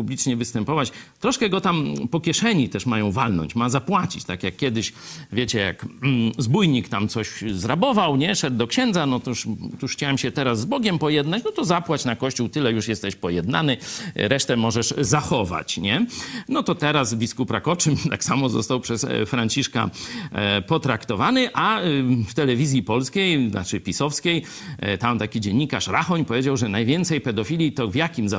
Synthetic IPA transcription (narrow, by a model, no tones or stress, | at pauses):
publʲit͡ʂɲɛvɘst̪ɛmpɔvat͡ɕt̪ɾɔʂkɛɡɔt̪ampɔkʲjɛʂɛɲit̪ɛʂmajɔ̃w̃valnɔ̰ɲt͡ɕmazapwat͡ɕit͡ɕt̪akjakːʲjɛd̪ɪɕvʲjet͡ɕɛja̰k̩zbujɲikt̪amt̪sɔɕzɾabɔvawɲɛʂɛd̪ːɔkɕɛnd̪zanɔt̪uʂt̪uʂxt͡ɕawɛmɕɛt̪ɛɾazːbɔɡʲɛmpɔjɛd̪nat͡ɕnɔt̪ɔzapwat͡ɕnakɔɕt͡ɕuwt̪ɘlɛjuʂjɛst̪ɛɕpɔjɛd̪na̰nɘɾɛʂt̪ɛmɔʐɛʂzaxɔva̰t͡ɕɲɛnɔt̪ɔt̪ɛɾasbʲiskupɾakɔt͡ʂɘmt̪aksamɔzɔ̰st̪awpʂɛsfɾaɲt͡ɕiʂka̰ | pɔt̪ɾakt̪ɔvanɘʔaft̪ɛlɛvʲizʲjipɔlskʲejna̰t͡ʂɘpʲisɔfskʲej | t̪amt̪akʲid͡ʑɛɲːikaʂɾaxɔɲpɔvʲjed͡ʑawʐɛnajvʲjɛnt̪sɛjpɛd̪ɔfʲilʲjit̪ɔvjakʲimza